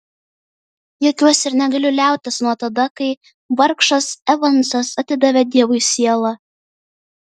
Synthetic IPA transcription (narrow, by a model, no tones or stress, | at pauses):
joːkʲuɔsɪɾnʲɛɡɐlʲʊlʲæˑʊt̪ʲɪsnuɔt̪ɐd̪ɐkɐɪ | ʋɐɾkʃɐsɛʋɐnˑsɐsɐt̪ʲɪd̪ɐʋʲɛd̪ʲiɛʋʊɪsʲiɛlˠɐ